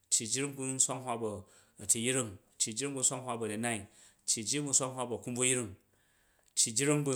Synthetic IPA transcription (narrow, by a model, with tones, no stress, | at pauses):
t͡ʃːi˨d͡ʒi˦ɾi˦ŋɡu˦n̩˦sʷa˦ŋhwa˦bɐ˨ | ɐ˨ti˨ji˦ɾi˦ŋ | t͡ʃːi˨d͡ʒi˦ɾi˦ŋbu˧n̩sʷa˦ŋɦʷwa˦bɐ˨dɐ˨na˦i˨t͡ʃːi˨d͡ʒi˦ɡu˧n̩˦sʷa˦ŋɦʷwa˦bɐ˨ku˦mbu˦ji˦ɾi˦ŋ | t͡ʃːi˨d͡ʒi˦ɾi˦ŋbu˦˧